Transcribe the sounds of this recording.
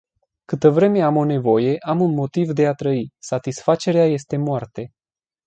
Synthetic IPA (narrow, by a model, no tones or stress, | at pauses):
kɨt̪əvɾe̞me̞amo̞ne̞vo̞je̞ʔamunmo̞t̪ivd̪e̞at̪ɾəisat̪isfat͡ʃe̞ɾeaje̞st̪e̞moart̪e̞